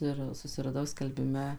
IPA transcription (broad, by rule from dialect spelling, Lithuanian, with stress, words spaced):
ˈɪr sʊsʲɪrɐˈdɐʊ sʲkʲɛlʲbʲɪˈmʲɛ